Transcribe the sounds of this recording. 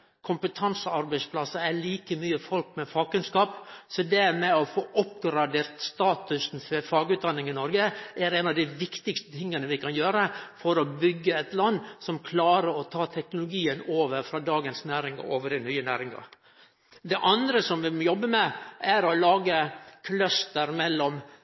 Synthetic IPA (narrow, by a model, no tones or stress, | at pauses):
kʰʊmpət̪ʰɑnsəɑɾbæɪspʰlɑsəæɭiːkəmyːəfɔlkmɛfɑːɡ̚kʉnskɑːpsɔd̪ɛɾmɛɔfoːʔɔpɡɾɑd̪eːɾt̪st̪ɑːt̪ʉsn̩fɔfɑːɡʉːt̪̚d̪ɑnːɪŋɪnɔɾɡəʔæɾɛnɑʋd̪æɪʋɪkt̪ɪkst̪ət̪ʰɪŋːənəʋɪkʰɑnjøːɾəfɔɾɔbʏɡːəɛt̪lɑnːsɔmkʰlɑːɾəɾɔt̪ʰɑːt̪ʰɛknʊlʊɡiːənoːʋəɾfɾɑːd̪ɑːɡənsnæːɾɪŋɑ̰oːʋəɾɪnyːənæ̰ːɾɪŋɑ̰ɾ | d̪ɛʔɑnd̪ɾəsɔmʋɪjɔbːəmɛʔæɾɔlɑːɡəkʰlœst̪əɾmɛlːɔm